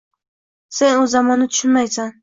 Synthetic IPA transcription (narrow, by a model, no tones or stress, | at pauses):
se̞nʊzamɒnːɪt̪ʰʊ̥ʃʊnmajsan